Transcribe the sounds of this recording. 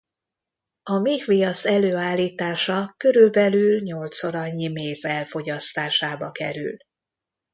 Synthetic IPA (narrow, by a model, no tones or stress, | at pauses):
ɒmiːkʋijɒsɛløːaːlːiːt̪aːʃɒkø̞ɾylbɛlylɲo̞lt̪soɾɒɲːimeːzɛlfo̞ɟɒst̪aːʃaːbɒkɛ̰ɾy̰l